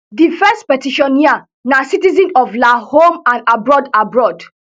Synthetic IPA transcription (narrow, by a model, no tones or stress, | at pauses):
difɛstpɛtiʃɔ̃nːia | nasitizĩnɔflahõmãnabɹɔdabɹɔd